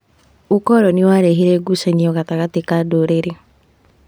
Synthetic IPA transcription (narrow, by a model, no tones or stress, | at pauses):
okɔɾɔniwaɾeɦeɾɛɡusaɲiɔɣataɣatekadoɾeɾe